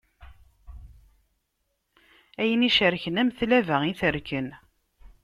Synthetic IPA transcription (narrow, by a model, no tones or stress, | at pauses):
æjəniʃəɾçənæmθlævæiθəɾkən